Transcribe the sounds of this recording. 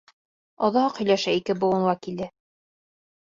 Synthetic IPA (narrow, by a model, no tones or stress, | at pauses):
ɒðɑhɑqhɵ̆jlæʃæikɘbŏwɤ̆nɑkild̪ɘ